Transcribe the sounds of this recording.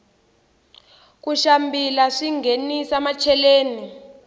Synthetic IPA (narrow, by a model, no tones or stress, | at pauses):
k̬uʃambilaʂiŋenisamat͡ʃʰɛleːni